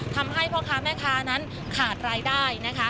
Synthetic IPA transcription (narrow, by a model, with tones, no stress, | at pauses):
t̪ʰa˧mɦa˥˩jpʰɔ˦˥kʰaː˧˥mɛː˥˩kʰaː˧˥na˦˥n | kʰaː˨˩t̪̚ɾaː˧jdaː˥˩jna˦˥kʰa˦˥